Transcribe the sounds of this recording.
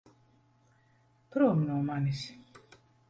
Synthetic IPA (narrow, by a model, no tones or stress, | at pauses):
pɾomnɔmanis